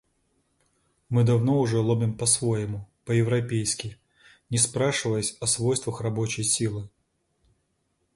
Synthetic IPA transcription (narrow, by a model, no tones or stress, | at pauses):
mɨd̪ɐvno̞ʊʐɛlˠobʲɪmpɐsvojɪmʊpəjɪvɾɐpʲejskʲɪ | nʲɪspɾaʂɨvəjəsʲɐsvojst̪vəxrɐbo̞t͡ɕɪjsʲilˠɨ